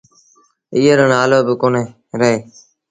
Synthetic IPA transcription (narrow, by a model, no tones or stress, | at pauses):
iːəɾəɳaːloːbɪkoːneː | ɾəɦeː